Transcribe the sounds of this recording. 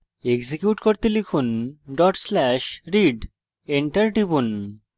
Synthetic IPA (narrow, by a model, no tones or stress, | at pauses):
eɡzikjuʈkoɾt̪elikʰunɖɔʈslɛʃɾiɖ | eɳʈɐɾʈibun